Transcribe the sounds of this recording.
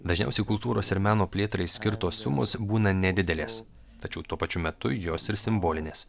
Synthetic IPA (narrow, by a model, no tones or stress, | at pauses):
d̪ɐʒʲnʲɛ̰ʊsʲɛɪkʊlˠt̪uːɾoːsɪɾmʲæːnoːpʲlʲeːt̪ɾɐɪsʲkʲɪɾt̪oːsːʊmo̰ːsbuːnɐnʲɛd̪ʲɪd̪ʲɛlʲeːs | t̪ɐt͡ʃʲɛʊt̪uɔpɐt͡ʃʲʊmʲɛt̪ʊjoːsɪɾsʲɪmboːlʲɪnʲeːs